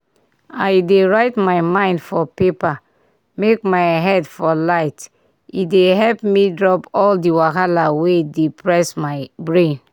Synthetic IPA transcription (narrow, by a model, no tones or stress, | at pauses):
ajdeɹaɪtmaɪmãɪ̃ndfɔpepa | mekmajɦɛdfɔlaɪt | ideɦɛlpmidɹɔpɔldiwakalawedepɹɛsmaɪbɹẽn